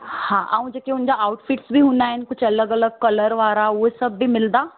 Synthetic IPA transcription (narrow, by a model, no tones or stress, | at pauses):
hãːʔa̰ːũd͡ʑeːkeʊnd͡ʑaaːʊʈfɪʈsbʱiɦũːnd̪aːɦɪnɪ̆kʊd͡ʑʱʰɐləɡɐləɡ̚kɐləɾʋaːɾaʊɦesɐbːimɪld̪aː